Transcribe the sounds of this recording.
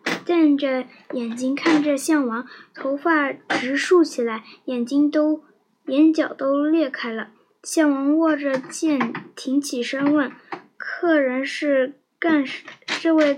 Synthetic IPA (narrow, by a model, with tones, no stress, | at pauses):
t͡ɕa˥˧nʈ͡ʂə˩ | jɛ˨˩nt͡ɕi˥ŋkʰa˥˩nʈ͡ʂə˨ɕjɑ˥˩ŋwɑ˧˥ŋt̪ʰo˧˥ʊfa˥˩ʈ͡ʂɻ̩˧˥ʂu˥˩t͡ɕʰi˨˩la˧˥ɪjɛ˨˩nt͡ɕi˥ŋt̪o˥ʊ | jɛ˧˥nt͡ɕjɑ˨˩ʊt̪o˥ʊljɛ˥˩kʰa˥ɪlə˨ | ɕjɑ˥˩ŋwɑ˧˥ŋwɔ˥˩ʈ͡ʂə˨˩t͡ɕjɛ˥˩nt̪ʰi˧˥ŋt͡ɕʰi˨˩ʂə˥nwə˥˩n | kʰɤ˥˩ɻə˧˥nʂɻ̩˥˧ | ka˥˧nʂʈ͡ʂ̩˥˧we˥˧ɪ